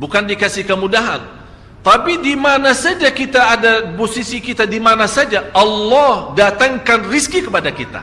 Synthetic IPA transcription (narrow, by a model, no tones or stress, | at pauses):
bukandikasihkəmudaɦa̰n | t̪apidimanasad͡ʒakit̪aːdaposisikit̪adimanasad͡ʒaʔɑlːɔhdat̪aŋkanriskikəpadakit̪a̰